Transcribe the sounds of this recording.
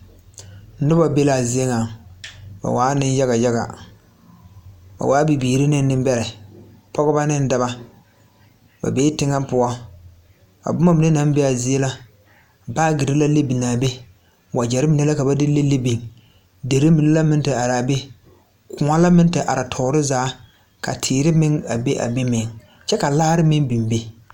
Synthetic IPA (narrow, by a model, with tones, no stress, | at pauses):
nʊ˦ba˨be˦la˨zɪ˦e˦ŋa˨ | ba̰˨waː˨˦nɪ˦n˦ja˦ɣa˨ja˦ɣa̰˨ | ba̰˨waː˦bi˨biː˨ɾɪ˦nɪ˦n˦nɪ˦mbɛ˦ɾɪ˨ | pɔ˦ɣɪ˦ba˦nɪ˦n˦da˦ba˦ | ba̰˨beː˦tɪ˦ŋa˦m˦pʊ˦ɔ˦ | ka̰˨bʊ˦ma˦mɪ˨nɛ˦na˦m˦be˦a˨zɪ˦e˦la˦ | baː˦ɡɪ˨ɾɪ˦la˦le˦bi˨naː˨be˦ | wa˨d͡ʒɛ˨ɾɪ˦mɪ˨nɛ˦la˦ka˨ba˦dɪ˦le˦le˦bi˨ŋ | de˨ɾɪ˦mi˨nɛ˦la˦mɪ˦ntɨ˨a˨ɾa˨be˦ | kʊ˨a˦la˦mɪ˦n˦tɪ˨ʔa̰˨ɾa˨tʰɔː˨ɾɪ˦zaː˨˦ | ka̰˨tʰɪː˨ɾɪ˦mɪ˦ŋa˨be˦ʔa̰˨be˦mɪ˨ŋ | t͡ʃɛ˦ka˨laː˦ɾɪ˦mɪ˦ŋbi˨mbe˦